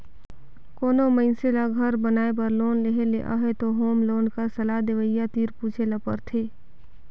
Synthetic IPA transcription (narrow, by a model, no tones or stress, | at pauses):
koːnoməɪnselaɡʱɐɾbənaːepəɾloːnleɦeleʔa̰ɦet̪oɦoːmloːnkəɾsɐlad̪eʋəjːat̪iːɾpuːt͡ʃʰelɐpə̰ɾt̪ʰeː